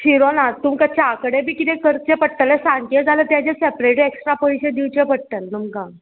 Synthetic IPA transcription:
ɕiɾonat̪umkət͡ɕʰaakəɽẽbiːkit̪ẽkəɾt͡ɕẽpəʈt̪əlesãŋked͡zalət̪jat͡ɕesepɾeʈeksʈɾapoɕed̪iwt͡ɕẽpəɽ̚ʈ̪əlnumkã

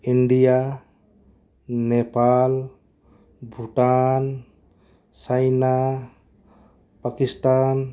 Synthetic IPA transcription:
iɳɖija | nepal | bʱuʈan | t͡ʃajna | pakist̪an

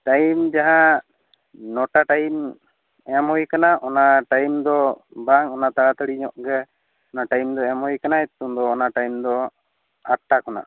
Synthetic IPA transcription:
ʈajmd͡ʒaɦã | nɔʈaʈajm | ɛmɦɔjkanaʔɔnaʈajmd̪ɔbaŋɔnat̪aɽat̪aɽiɲɔʔɡɛ | ɔnaʈajmd̪ɔɛmhɔjkanaɛt̪umd̪ɔːnaʈajmd̪ɔ | aʈːakɔna̰

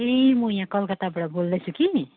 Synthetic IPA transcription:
emũjãkʌlkət̪abɽabold̪ɛt͡ʃʰuki

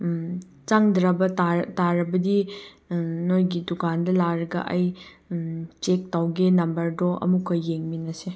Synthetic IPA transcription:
t͡ʃaŋdɾɐbɐtaɾtaɾɐbɐdi | nojɡidukʰandɐlaɾɐɡɐ̰ʔɐj | t͡ʃek̚tawɡenɐmbɐɾdɔʔɐ̰mukʰːojeŋminɐse

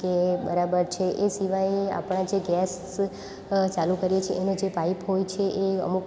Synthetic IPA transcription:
ebəɾabəɾt͡ʃʰeʔesiʋajea̰pɽ̃ãd͡ʒeɡɛs | t͡ʃalukəɾijet͡ʃʰeʔenod͡ʒepaipɦojt͡ʃʰeʔeə̰muk

